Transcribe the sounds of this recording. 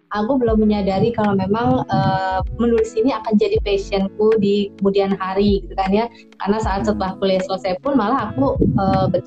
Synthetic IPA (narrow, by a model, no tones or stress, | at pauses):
akubəlawməɲadaɾikalamemaŋəːmənulɪsiniakand͡ʒadipesiənkudikəmudianɦaɾiɡit̪ukanja | ka̰rnasaʔːt̪̚sət̪̚lahkuljasələsajpʊnmalaɦakuəːbə